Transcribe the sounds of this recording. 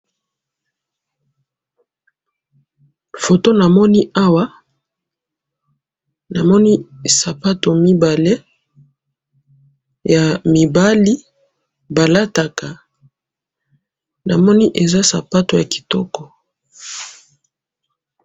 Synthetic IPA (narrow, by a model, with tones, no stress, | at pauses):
fo˨to˦na˨mɔ˦ni˦a˦wa˦ | na˨mɔ˦ni˦sa˨pa˦to˨mi˦ba˨le˦ | ja˨mi˨ba˦li˦ | ba˨la˦ta˨ka˨ | na˨mɔ˦ni˦ʔe˨za˦sa̰˨pa˦to˨ja˨ki̥˨tɔ˦kɔ˨